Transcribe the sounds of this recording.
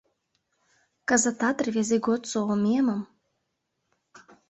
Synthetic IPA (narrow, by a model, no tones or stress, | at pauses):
kəzət̪ɑt̪rvʲezeɡot̪soomʲemə̆m